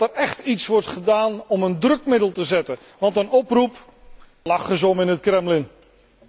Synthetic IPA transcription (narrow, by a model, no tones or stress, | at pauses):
tərɛχtitsʋɔrtχədaːnɔməndrɵkmɪdəlˠtəzɛtə | ʋɑntənɔprup | lɑχəz̬ɔmɪnət̚krɛmlɪn